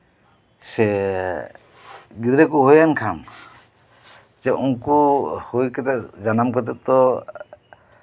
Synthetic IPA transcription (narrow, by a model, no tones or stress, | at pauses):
sɛ | ɡid̪ɾɛkuɦojankʰam | d͡ʒɛʔuŋkuhujkɛt̪ɛd͡ʒanamkɔt̪̬ɛt̪ɔ